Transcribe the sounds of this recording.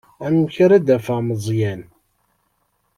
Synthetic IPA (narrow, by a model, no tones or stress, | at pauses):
ænwçɾæd̪æfaməzˤjæn